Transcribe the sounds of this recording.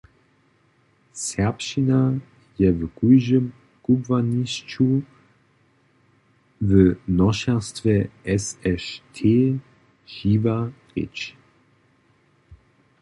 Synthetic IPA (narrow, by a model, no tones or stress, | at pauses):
sɛɐpʃina | jɛvəɡ̥uʒəm | ɡ̥ubvanist͡ʃu | vənɔʃɛʁstvɛɛsɛʃtʰeː | ʒiːvaʁḭt͡ʃ